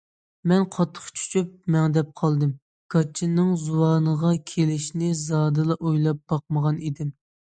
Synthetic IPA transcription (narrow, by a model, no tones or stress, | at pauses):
mɛnqʰɑt̪ʰːə̥χt͡ʃʰy̥t͡ʃʰyp̚mɛŋd̪ɛp̚qʰɑlˠd̪ɨm | ɡ̥ɑt͡ʃʰːinːɨŋzuwɑːnəʁɑkʲʰelɪʃnɪzɑːd̪ɨlˠɑʔojlˠɑp̚b̥ɑq̚məʁɑnid̪ɪm